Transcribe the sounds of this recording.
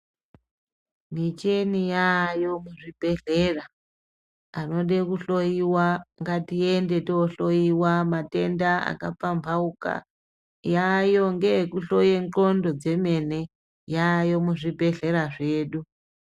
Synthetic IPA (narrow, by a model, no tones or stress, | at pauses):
mit͡ʃe̞nijajo̞muʐibʱe̞ɮera | ano̞ɗekuɬo̞jiwaŋɡatiende̞teɬo̞jiwamate̞ndaa̰kap͡fambʱauka̰ | jajo̞ŋɡe̞kuɬo̞jeŋǃo̞ndo̞d͡ze̞me̞ne̞ | jajo̞muʐibʱe̞ɮe̞ɾaʐe̞ːɗu